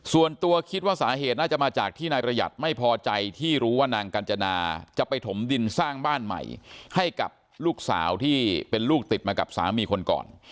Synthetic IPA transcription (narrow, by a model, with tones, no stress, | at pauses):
su˨˩ənt̪u˧ɐkʰi˦˥t̪̚waː˥˩saː˩˦ɦeː˨˩t̪̚naː˥˩t͡ɕa˨˩maː˧t͡ɕaː˨˩k̚t̪ʰiː˥˩naː˧jpɾa˧ja̰˨˩t̪̚ma˥˩jpʰɔː˧t͡ɕa˧jt̪ʰiː˥˩ɾuː˦˥waː˥˩naː˧ŋka˧nt͡ɕa˧naː˧t͡ɕa˨˩pa˧jt̪ʰo˩˦mdi˧nsaː˥˩ŋbaː˥˩nma̰˨˩jha˥˩jka̰˨˩p̚ | luː˥˩k̚sa̰ː˩˦wt̪ʰiː˥˩pe˧nluː˥˩k̚t̪i˨˩t̪̚maː˧ka˨˩p̚sa̰ː˩˦miː˧kʰo˧nkɔ̰ː˨˩n